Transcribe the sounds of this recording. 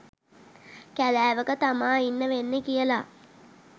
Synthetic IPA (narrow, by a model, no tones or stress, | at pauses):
kælæːʋəkət̪amaːinːəʋenːekijəla